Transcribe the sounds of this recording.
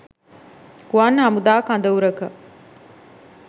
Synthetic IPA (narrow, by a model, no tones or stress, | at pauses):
kuaːnːɦɐmud̪aːkɐnd̪ɐuɾɐkɐ